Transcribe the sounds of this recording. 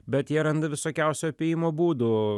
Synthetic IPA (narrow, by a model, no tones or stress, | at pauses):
bʲɛt̪jɛɾɐnd̪ɐʋʲɪsoːkʲɛʊsʲoɐpʲejɪmoːbuːd̪uː